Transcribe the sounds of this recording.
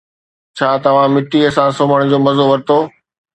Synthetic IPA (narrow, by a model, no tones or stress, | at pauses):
t͡ɕʰaːt̪ɐʋ̤ãmɪʈiɐsãsoːməɽ̃d͡ʑoːmɐzoʋɐɾt̪oː